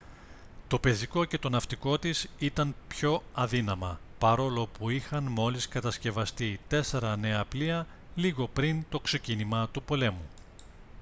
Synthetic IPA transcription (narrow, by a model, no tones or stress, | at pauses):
t̪o̞pe̞ziko̞ce̞t̪o̞nɐft̪iko̞t̪isit̪ɐnpço̞ɐðinɐmɐpɐɾo̞lo̞puixɐnmo̞liskɐt̪ɐsce̞vɐst̪it̪e̞se̞ɾɐne̞ɐpliɐ | liɣo̞pɾint̪o̞kse̞cinimɐt̪upo̞le̞mu